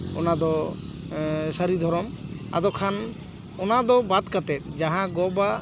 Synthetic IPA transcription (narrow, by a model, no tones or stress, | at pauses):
ɔ̰nad̪ɔ | səɾid̪ʱɔɾɔma̰d̪ɔkʰan | ɔnad̪ɔbat̪̚kat̪ɛt̪̚ˀd͡ʒaɦãɡɔba